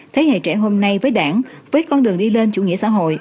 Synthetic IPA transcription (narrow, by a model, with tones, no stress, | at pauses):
t̪ʰe˨˦hḛ˧˨t͡ɕɛ˧˩ɦo˧mna˧jvəː˨˦jɗaː˧˩ŋvəː˨˦jkɔ˧nɗɨ˨˩əŋɗi˧le˧nt͡ɕṵ˧˩ŋi˧˥əsa̰ː˧˥ɦo̰˧˨jʔ